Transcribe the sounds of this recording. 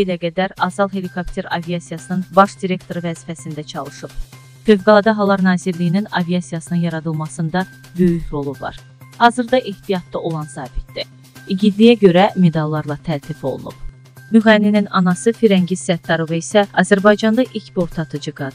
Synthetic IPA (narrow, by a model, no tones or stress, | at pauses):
belæɡæd̪æɾɑzɑlˠɦe̞likʰopt̪ʰe̞ɾɑvijɑsijɑsɯnɯnbɑʃd̪iɾe̞kt̪ʰo̞ɾɯvæzifæsind̪æt͡ʃʰɑlˠɯʃɯb̥ | føvɡɑlˠɑd̪ɑɦɑlˠːɑɾnɑːziɾlijininɑvijɑsijɑsɯnɯnjɑɾɑd̪ɯlˠmɑsɯnd̪ɑ | bø̞jyçɾo̞lˠublˠɑ̰ɾ | hɑːzɯɾd̪ɑʔeht̪ijɑt̪ːɑʔo̞lˠɑnsɑːbit̪̚d̪i | iɟid̪lijæɟø̞ɾæme̞d̪ɑlˠːɑɾlˠɑt̪ʰælt̪ʰifo̞̰lˠṵnṵb̥̚ | myɣænininɑnɑsɯfiɾæɲɟizsæt̪ːɑɾovɯisæɑzæɾbɑjd͡ʒɑnd̪ɑʔilcbo̞ɾt̪ʰɑt̪ʰɯd͡ʒɯɡɑd̪